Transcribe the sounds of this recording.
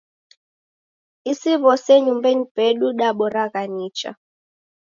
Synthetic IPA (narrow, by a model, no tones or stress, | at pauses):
isiβɔseɲumbenib̥eɗuɗaɓɔraɣaniːt͡ʃa̰